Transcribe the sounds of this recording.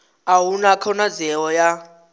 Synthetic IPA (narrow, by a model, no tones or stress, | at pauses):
awunakʰɔnazɛwɔja